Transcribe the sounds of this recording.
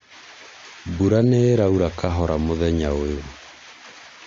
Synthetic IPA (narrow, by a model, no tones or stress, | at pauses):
buɾaneːɾauɾakaɦɔɾamoðɛɲaoeo